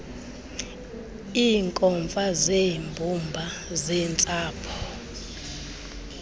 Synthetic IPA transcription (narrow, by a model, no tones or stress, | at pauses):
iːŋkʼɔɱfazembʱumbʱazɛːnt͡sʼaːpʰɔ̥